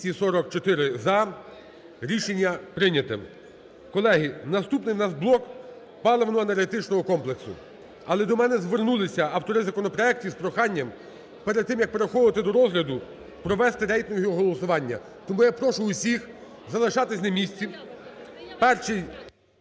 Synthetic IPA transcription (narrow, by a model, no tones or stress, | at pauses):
isɔɾɔkt͡ʃɔt̪ɪɾɪzɐ | ɾʲiʃenʲːɐpɾɪnʲɐt̪ɪm | kɔlˠɛɦɪnɐst̪upnɪjwnɑsblˠɔk | pɑlˠɔʋɐnɔɐnɐrɦet̪ɪt͡ʃnɔɦɔkɔmplˠeksʊ̰ | ɐlˠɛd̪ɔmɛnɛzʋernulˠɪsʲɐɐwt̪ɔɾɪzɐkɔnɔpɾɔɛk̚tʲispɾɔxɑnʲːɐm | peɾed̪̚t̪ɪmjɐk̚peɾexɔʋd̪ɪt̪ɪd̪ɔɾɔzɦlʲɐd̪ʊ | pɾɔʋɛst̪ɪɾɛjt̪nɔɦiɔɦɔlˠɔsʊʋɑnʲːɐ̰ | t̪ɔmujapɾɔʃʊʊsʲix | zɐlˠɪʃɑt̪ɪsʲnɐmʲisʲt͡sʲi | pɛrʃij